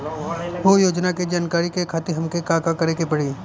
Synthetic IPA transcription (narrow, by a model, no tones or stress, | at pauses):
ʋojoːd͡ʒnaked͡ʒaːnkaːɾikekʰaːt̪ɪɦɐmkekaːkakɐɾekepɐɽiː